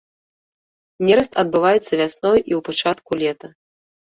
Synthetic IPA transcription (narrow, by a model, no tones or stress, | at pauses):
nʲɛɾɐst̪ɐd̪̚bɨvajɛt̪sːɐvʲasnɔjʔiwpat͡ʂat̪kulʲɛt̪ɐ